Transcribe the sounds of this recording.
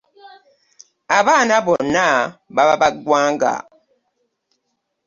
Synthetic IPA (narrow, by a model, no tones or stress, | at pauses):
abanabɔnabababaɡwaŋɡa̰